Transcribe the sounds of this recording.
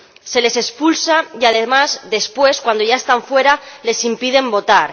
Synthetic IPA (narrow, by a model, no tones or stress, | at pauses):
se̞le̞se̞spulsajaðemazðe̞spwe̞skwand̪o̞ʝae̞st̪aɱfwe̞ɾale̞simpiðe̞mbo̞t̪aɾ